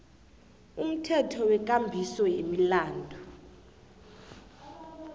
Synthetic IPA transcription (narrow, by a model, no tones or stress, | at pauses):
um̩tʰɛtʰɔwɛk̬ʼambʱisɔjemilaːndʱɔ